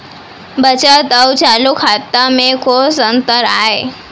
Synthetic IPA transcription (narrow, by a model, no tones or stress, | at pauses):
bət͡ɕat̪əwt͡ɕalukʰat̪əmẽkʰosə̃nt̪əɾa̰ːɦe